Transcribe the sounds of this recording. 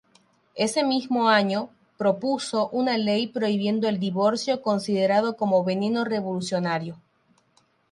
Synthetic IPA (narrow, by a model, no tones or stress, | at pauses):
e̞se̞mizmo̞aɲo̞ | pɾo̞puso̞ʔunalejpɾo̞iβje̞nd̪oeld̪iβo̞ɾsjo̞ko̞nsið̞e̞ɾaðoko̞moβe̞ne̞no̞reβo̞lusjo̞naɾjo̞